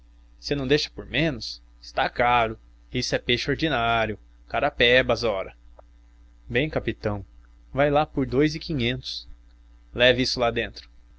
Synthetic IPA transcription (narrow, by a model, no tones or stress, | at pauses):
sɪnɐ̃w̃d̪ejʃɐ̥poɾmẽnʊs | ɪ̥st̪akaɾʊ | isʊɛpeʃʊoɾd͡ʒinaɾjʊ | kaɾapɛbɐzɔɾɐ | bẽj̃kapit̪ɐ̃w̃ | vajlapoɾd̪ojzɪkĩɲẽnt̪ʊ̥s | lɛvisʊlad̪ẽnt̪ɾʊ